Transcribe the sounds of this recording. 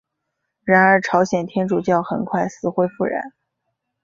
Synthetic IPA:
ɻa˧˥nə˞˧˥ʈ͡ʂʰɑ˧˥ʊɕjɛ˨˩nt̪ʰjɛ˥nʈ͡ʂu˨˩t͡ɕjɑ˥˩ʊxə̰˨˩nkʰwa˥˩ɪsɹ̩˧˥xwe˥ɪfu˥˩ɻa̰˧˥n

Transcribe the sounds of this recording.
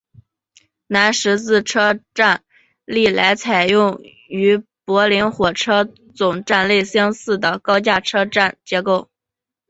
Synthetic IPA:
na˧˥nʂɻ̩˧˥t͡sɹ̩˥˩ʈ͡ʂʰɤ˥ʈ͡ʂa˥˩˧n | li˥˩la˧˥ɪt͡sʰa˨˩ɪjʊ˥˩ŋ | y˧˥pwɔ˧˥li˧˥nxwɔ˨˩ʈ͡ʂʰɤ˥ | t͡sʊ˨˩ŋʈ͡ʂa˥˧nle˥˩ɪsjɑ˥ŋsɹ̩˥˩d̪ə˩kɑ˥ʊt͡ɕja˥˩ʈ͡ʂʰɤ˥ʈ͡ʂa˥˩nt͡ɕjɛ˧˥ko˥˩ʊ

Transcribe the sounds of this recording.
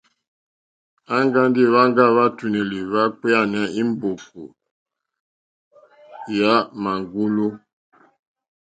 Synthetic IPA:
a˦ŋɡa˦ndi˦˨βa˦ŋ˦ɡa˦βa˦tu˨ne˨li˨βa˦k͡pɛ˦a˦˨nɛ˦i˦m˦bo˨pṵ˨ | ja˦ma˨ŋɡu˦lu˦

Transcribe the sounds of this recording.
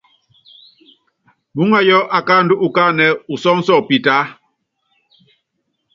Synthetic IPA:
bu˦ŋa˦jɔ˦ʔa˨kaː˦n˦du˦ʔu˨ka˦nɛ˨u˨sɔ˦ŋ̩˦sɔ˦˨pi˨ta˨˦

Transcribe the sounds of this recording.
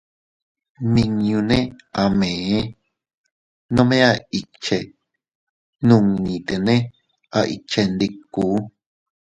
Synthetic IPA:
nĩ˧ɲũ˧nẽ˦a˧˨mẽ˨ẽ˦ | nõ˦mẽ˦a˧i˧t͡ʃe˧ | nũ˧˨ŋːĩ˨t̪e˨nẽ˦ | a˧ʔḭ˨t͡ʃe˧nd̪i˧ku˨˦

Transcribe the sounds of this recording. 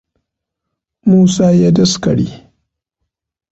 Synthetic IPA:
muː˦saː˦jaː˦dɐ˦skɐ˨ɽḭː˦

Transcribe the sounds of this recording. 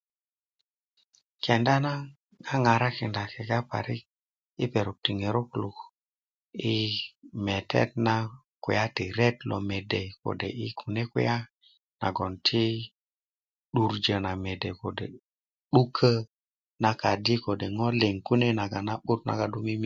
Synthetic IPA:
kɛ˨nda˦na˦ | a˦ŋa˨ɾa˦ki˨nda˨kɛ˨ɡa˦pa̰˨ɾi˦k̚ | i˦pe˨ɾu˨p̚ti˨ŋe˨ɾu˦klu˨k | i˦me˨tɛ̰˦tna˦ | kṵ˨ja˦ti˨ɾɛ˦tlɔ̰˨me˨de˨ko̰˨dḛ˨i˦kʰu˨ne˦ku˦ja˦ | na̰˨ɡɔ˨ntʰi˦ | ɗu˨ɾd͡ʒə˨na˨me˨de˨ko˨dḛ˨ | ɗu˦kʰə˦ | na˨ka˨di˦ko˨de˨ŋɔ˦le˨ŋku˦ne˦na˨ɡa˨na˦ɓu˦t̚na̰˨ɡa˨du˦mi˦mi˦

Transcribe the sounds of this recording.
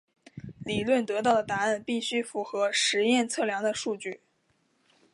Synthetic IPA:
li˨˩lwə˥˩nt̪ɤ˧˥t̪ɑ˥˩ʊə˩t̪a˧˥ə˥˧npi˥˩ɕy˥fu˧˥xɤ˧˥ʂɻ̩˧˥jɛ˥˧nt͡sʰɤ˥˩ljɑ˧˥ŋd̪ə˧ʂu˥˧t͡ɕy˥˩

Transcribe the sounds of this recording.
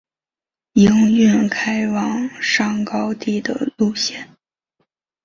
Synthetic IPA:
i˧˥ŋy˥˩nkʰa˥ɪwɑ˧˩ŋʂɑ˥˩ŋkɑ˥ʊt̪i˥˩d̪ə̰˩lu˥˧ɕjɛ˥˩n

